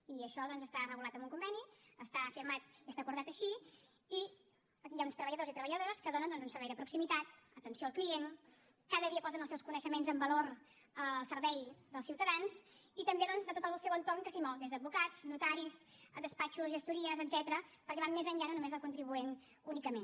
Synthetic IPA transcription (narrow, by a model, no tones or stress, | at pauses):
iəʃɔðɔnzəst̪arəɣulat̪əmuŋkumbɛniəst̪aəfiɾmat̪iəst̪akuɾðat̪əʃi | i | jaunst̪ɾəβəʎəðozit̪ɾəβəʎəðoɾəskəðonənd̪ɔnzunsəɾβɛjðəpɾuksimit̪at̪̚ət̪ənsioəlˠklien | kaðəðiəpɔlzənəlˠsɛwskunəʃəmenzəmbəloɾ | əlˠsəɾβɛjd̪əlˠsiwt̪əðanz | it̪əmbeðɔnzðət̪ot̪əllˠsɛwənt̪orŋkəsimɔwd̪ezðəːd̪̚bukad͡z̥nut̪aɾizd̪əspat͡ʃuzʒəst̪uɾiəzəd̪z̥ɛt̪ɾəpəɾkɛβammezəɲʎanənumezəlˠkunt̪ɾiβuen | unikəmen